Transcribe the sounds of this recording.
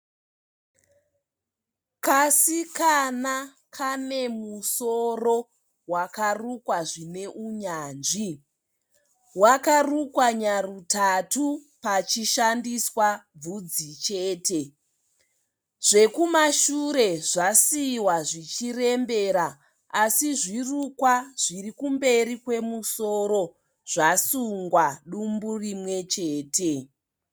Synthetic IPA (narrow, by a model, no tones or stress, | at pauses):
kasikana | kʰane̞musoro̞ | wakarukwaʐine̞ʔuɲaːnʐi | wakarukwaɲarutatu | pat͡ʃiʃandiswab͡vud͡zit͡ʃeːte̞ | ʐ̥e̞kumaʃuɾe̞ʐasiwaʐit͡ʃire̞mbe̞ɾaː | siʐirukwaʐ̥irikumbe̞ɾikwe̞muso̞ɾo̞ | ʐ̥asuŋɡwaɗumburimwe̞t͡ʃe̞ːte̞